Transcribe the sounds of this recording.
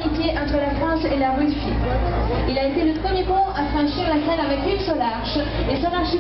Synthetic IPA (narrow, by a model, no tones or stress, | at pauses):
nik̪ʲeʔɑ̃t̪χəlafχɑ̃selaʁysi | ilaet̪eləpχəmjepɔ̃afχɑ̃ʃiʁlasɛnavɛkynsɔ̃laʁʃ | esɔ̃laʁʃi